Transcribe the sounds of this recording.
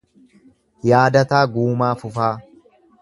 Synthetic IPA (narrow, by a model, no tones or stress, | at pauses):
jaːd̪ɐt̪aːɡuːmaːfʊfaː